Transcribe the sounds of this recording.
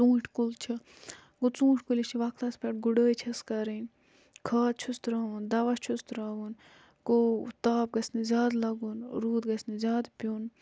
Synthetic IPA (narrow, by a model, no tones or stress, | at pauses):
t͡sũːʈʰkult͡ʃʰi | ɡot͡sũːʈʲkulist͡ʃʰiʋɐkt̪ɐspɐʈɡuɖəːjt͡ʃʰɐskɐɾinʲ | kʰaːt̪̚t͡ʃʰust̪ɾaːʋund̪ɐʋɐst͡ʃʰust̪ɾaːʋun | kot̪aːp̚ɡɐsnizʲaːd̪lɐɡunɾuːd̪ɡɐsnizʲjaːd̪pʲuːn